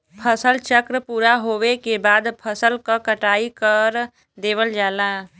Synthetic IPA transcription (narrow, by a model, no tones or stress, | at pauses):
pʰəsəlt͡ʃəkɾəpuːɾaɦoːwekebaːd̪pʰəsəlkakəʈaːikəɾ | d̪eːʋəld͡ʒaːlaː